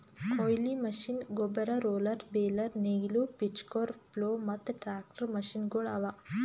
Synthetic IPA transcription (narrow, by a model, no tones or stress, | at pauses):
kʰojlimɐʃinɡobɐɾɐɾoːlɐɾbeːlɐɾneɡilupit͡ʃkoːɾploːmɐt̪ʈɾaːk̚ʈɐɾmɐʃinɡoɭaʋa